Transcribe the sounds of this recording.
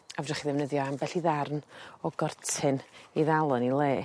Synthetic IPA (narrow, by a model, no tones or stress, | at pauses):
avdrəχiðɛvnəðjɔambɛɬiðarnɔɡɔrtʰɪniðalˠɔnilˠeː